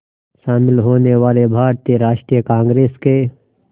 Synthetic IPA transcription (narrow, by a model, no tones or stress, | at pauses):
ʃaːmɪlɦoːneʋaːlebʱaːɾt̪ijəɾaːʃʈɾijəkãːŋɡɾeːske